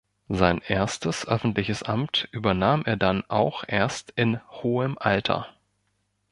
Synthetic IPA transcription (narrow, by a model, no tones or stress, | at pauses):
zaɪnʔeːɐstəsʔœfn̩tlɪçəsʔamtʔyːbɐnaːmʔeːɐdanʔaʊxʔeːɐstɪnhoːəmʔaltʰɐ̰